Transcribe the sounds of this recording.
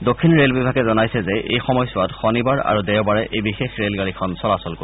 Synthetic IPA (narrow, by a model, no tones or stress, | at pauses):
dokʰːinɹelbibʱaɡɛzɔnajsɛzɛʔejxɔmɔjsɔwatxɔnibaɹa̰ɹudɛɹwbaɹɛʔejbixexɹelɡalikʰɔnsɔlasɔlko